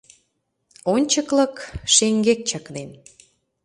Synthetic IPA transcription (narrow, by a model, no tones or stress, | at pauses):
onʲt͡ɕəklɤ̆kʃeŋɡek̚t͡ɕəknen